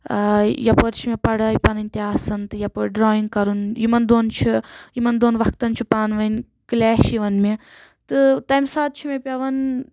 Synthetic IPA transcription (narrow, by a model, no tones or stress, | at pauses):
jɐpoɾt͡ʃʰimepɐɽɐipɐnɨnʲt̪ʲiɦaːsɐnt̪ɨjɐpoɾɖɾaːjiŋɡkɐɾunjimɐnd̪oːnt͡ʃʰujimɐnd̪oːnʋɐk̚ʰt̪ɐnt͡ʃʰupaːnʋɐn | klɛːʃiʋɐnme | t̪ɨt̪ɐmsaːt̪̚t͡ʃʰimepʲɐʋɐn